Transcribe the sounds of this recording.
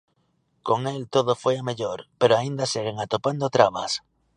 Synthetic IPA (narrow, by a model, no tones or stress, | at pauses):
koŋelt̪oð̞ofweameʎoɾpeɾoaĩnd̪aseɣ̞eŋat̪opand̪ot̪ɾaβa̰s